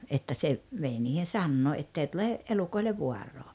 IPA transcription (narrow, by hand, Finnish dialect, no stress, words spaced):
etːæ se ʋei niːhen̞ sɑnːoː etːei tule elukoileʋ ʋuɑrːoː